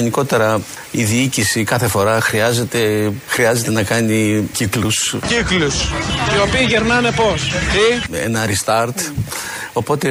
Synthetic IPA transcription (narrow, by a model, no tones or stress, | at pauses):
eniko̞t̪e̞ɾɐ | iðiicisikɐθe̞fo̞ɾɐxɾiɐze̞t̪e̞xɾiɐze̞t̪e̞nɐkɐniciklusciklusio̞piːʝeɾnɐne̞po̞siḛnɐɾist̪ɐɾt̪ | o̞po̞t̪e̞